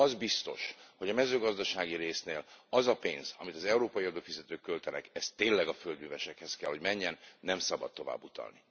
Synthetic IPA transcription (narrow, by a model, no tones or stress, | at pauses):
ɒzbist̪o̞̰ʃho̞ɟɒmɛzøːɡɒzd̪ɒʃaːɡiɾeːsneːlɒzɒpeːnzɒmit̪ɒzɛuɾoːpɒjiɒd̪oːfizɛt̪øːkːølt̪ɛnɛkɛst̪ːeːnlːɛɡɒføld̪myvɛʃɛkhɛskɛlɦo̞ɟmɛɲːɛnːɛmsɒbɒ̰t̪t̪ːo̞va̰ːbːut̪ɒ̰lni